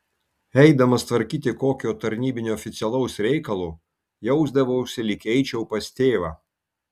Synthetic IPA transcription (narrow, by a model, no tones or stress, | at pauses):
ɛɪd̪ɐmɐst̪ʋɐɾʲkʲiːt̪ʲɪkoːkʲoːt̪ɐɾʲnʲiːbʲɪnʲuɔːfʲɪt̪sʲɛlˠɐʊsɾʲɛɪkɐlˠuː | jɛʊzd̪ɐʋoʊʊsʲɪlʲɪkʲɛɪt͡ʃʲɛʊpɐst̪ʲeːʋɑː